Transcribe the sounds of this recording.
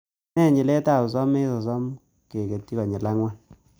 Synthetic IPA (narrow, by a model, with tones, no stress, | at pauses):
ɛ˦˨ɲɪ˨lɛ˦ta˦˨sɔ˦me˦sɔ˨s̬ɔ˦m | ke˨ke˨tːi˦kɔ˨ɲɪ˨la˦ŋwa˦n